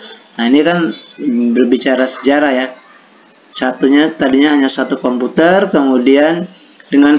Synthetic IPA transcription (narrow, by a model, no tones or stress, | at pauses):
nainikanbərbit͡ʃaɾasə̥d͡ʒaɾahja | sat̪uɲat̪adiɲaɦaɲasat̪ukɔmput̪ərkəmudian | dəŋan